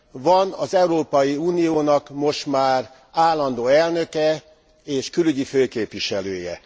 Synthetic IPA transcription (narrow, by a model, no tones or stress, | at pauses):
ʋɒnɒzɛuɾoːpɒjiuːnijoːnɒkmo̞ʃt̪maːr | aːlːɒnd̪oːɛlnø̞kɛ | eːʃkylyɟiføːkeːpʋiʃɛlø̰ːjɛ̰